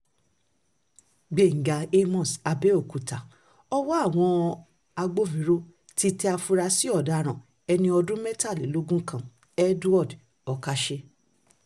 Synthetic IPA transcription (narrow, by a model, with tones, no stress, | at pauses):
ɡ͡be˨ŋ̩˨ɡa˨e˦mɔ̃˨sa˧be˦o˦˨ku˨ta˨ | ɔ˦wɔ˦a˦˨w̃ɔ̃˧ | a˧ɡ͡bo˦vĩ˨˦ɾo˦ | ti˧tɛ˧˦a˧fu˧ɾa˧si˦ɔ˦˨da˨˦˨ɾ̃ã˨ | ɛ˧nĩ˧ɔ˧dũ˦mɛ˦ta˦˨le˨˦lo˦ɡũ˦kã˦˨ | ɛ˦du˦ɔ˦˨d | ɔ˧ka˧ʃe˧